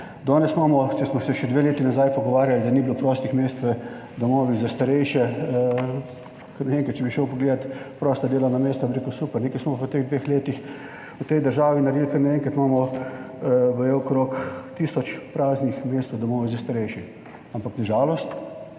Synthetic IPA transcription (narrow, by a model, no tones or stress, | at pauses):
d̪ɔːnɛsmaːmɔt͡ʃɛsmɔsɛʃɛd̪ʋeːleːt̪inazajpɔɡɔʋaːɾjald̪anibilopɾɔːst̪ixmeːst̪ʋɛ | d̪ɔmoːʋizast̪aɾɛjʃɛ | kɐɾnɛeːŋkɾat̪̚t͡ʃɛbiʃəwpɔɡleːd̪at̪pɾɔːst̪ad̪eːlanameːst̪ɔbʲiɾeːkʊsupɛɾnekɛsmɔpɔt̪eɣd̪ʋeːxleːt̪ix | wt̪ɛjd̪əɾʒaːʋinaɾjelkɐɾnɛeːŋkat̪maːmɔ | bɔjɛɔkɾoːkt̪iːsɔt͡ʃpɾaːznixmeːst̪ad̪ɔmoːʋizast̪aɾɛjʃɛ | ampaknaʒaːlɔst̪